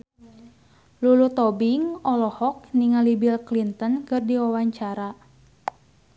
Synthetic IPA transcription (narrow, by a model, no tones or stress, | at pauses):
lulut̪ɔbiŋɔlɔhɔk̚niŋalibilklint̪ənkɨrdiwawaɲt͡ʃaɾa